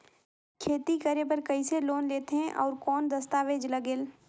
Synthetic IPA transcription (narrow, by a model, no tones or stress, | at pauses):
kʰeːt̪ikɐɾep̬ɐɾkɐiseloːnleːt̪eɦɛ̃ʔɔːɾkɔːnd̪ɐst̪aːʋeːd͡ʒlɐɡeːl